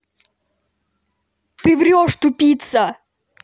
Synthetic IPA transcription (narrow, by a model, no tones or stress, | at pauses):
t̪ɨvɾʲɔʂt̪ʊpʲit̪sɐ